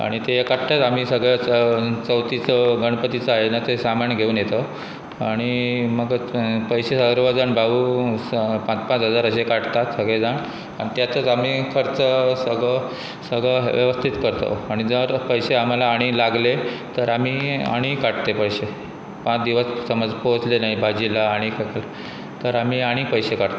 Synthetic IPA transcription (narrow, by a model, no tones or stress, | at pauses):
a̰ɽ̃it̪eɦekaʈt̪at̪am̤iːsəɡɭat͡st͡səwt̪it͡səɡəɽ̃pət̪it͡səaɦenat̪esamaɳɡʱeuːnjet̪ə | aɽ̃iməɡpəjsesəɡɾʋəd͡zaɳbʱaʋuː | pãt͡spãt͡sɦəd͡zaɾəɕekaʈt̪at̪səɡɭed͡zaɳ | ait̪jat̪ət͡samiːkʰəɾt͡səsəɡɭə | səɡɭəʋjə̰ʋəst̪ʰit̪kəɾt̪o̰aɽ̃id͡zəɾpəjseam̤alaːɽ̃ilaɡlet̪əɾamiːa̰ɽ̃ikaʈt̪epəjɕe | pãt͡sd̪iʋəssəmad͡zpot͡slenaibʱad͡ʑilaːɽ̃ikʰakla | t̪əɾamiːaɽ̃ipəjsekaʈt̪